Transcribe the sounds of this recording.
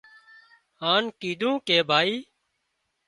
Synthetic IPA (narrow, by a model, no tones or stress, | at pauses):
haːnkiːd̪ʱũːkeːbʱaːiː